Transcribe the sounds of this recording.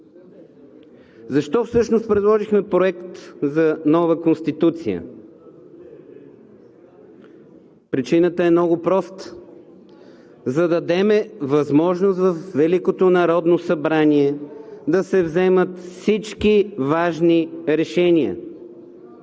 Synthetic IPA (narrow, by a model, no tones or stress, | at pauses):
zɐʃt̪ɔfsɤʃnost̪̚pɾɛd̪lˠɔʒixmɛpɾoɛkt̪zɐnɔvəkonst̪it̪ut̪sḭjə̰ | pɾit͡ʃinət̪əɛmnɔɡʊpɾɔst̪ | zɐd̪ɐd̪ɛmɛvɐzmɔʒnost̪vɐfvɛlikot̪onɐɾɔd̪nosɐbɾaniɛd̪ɐsɛvzɛmət̪fsit͡ʃkivaʒniɾɛʃɛniə̰